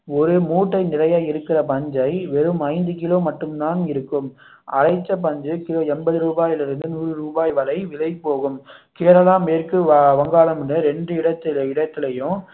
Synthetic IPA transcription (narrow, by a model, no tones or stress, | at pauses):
ɔɾɯmuːʈːɐɪnɪrɐjaːɪɾɯkːɪrɐpɐɲd͡ʒɐɪʋɛɾɯmɐɪnd̪ɯkɪloːmɐʈːɯmt̪aːnɪɾɯkːɯm | ɐ̰ɾɐɪt͡ʃːɐp̬ɐɲd͡ʒɯkɪloːɛnbɐðɯɾuːbaːjɪlɪɾɯnd̪ɯnuːɾɯɾuːbaːjʋɐlɐɪʋɪlɐɪpːoːɣɯm | keːɾɐlaːmeːɾkɯʋɐŋɡaːlɐmɪnɐɾɛɳɖɯɪɽɐt̪ːɪlɪɽɐt̪ːɪlɐjʊ̃